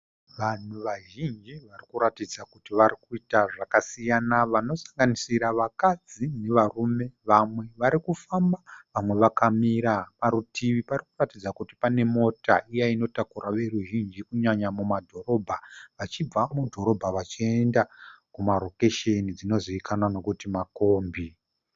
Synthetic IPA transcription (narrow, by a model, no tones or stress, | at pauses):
ʋan̤uʋaʒind͡ʒiʋarikuɾatid͡zakutiʋaɾikuitaʐakasijanaʋano̞saŋɡanisiɾaʋakad͡zine̞ʋarume̞ʋamwe̞ʋaɾikufambaʋamwe̞ʋakamiɾapaɾutiʋiparikuratid͡zakuti̥pane̞mo̞taijaino̞takuraʋe̞ruʒind͡ʒikuɲaɲamumadʱo̞ro̞bʱaʋat͡ʃib͡vamudʱo̞ɾo̞bʱaʋat͡ʃie̞ndakumaɾo̞keʃenid͡zino̞ziikʰanwano̞kutimako̞ːmbi